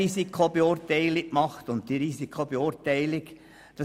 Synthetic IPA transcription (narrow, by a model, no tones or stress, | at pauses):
isikχob̥eʊːɾtɛɪlikmɑχt̪ʊnttiɾisikʰχob̥eʊɾtæɪlɪk | d̥ɑ